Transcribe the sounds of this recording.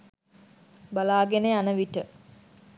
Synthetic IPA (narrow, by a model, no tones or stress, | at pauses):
balaːɡeneanəʋiʈə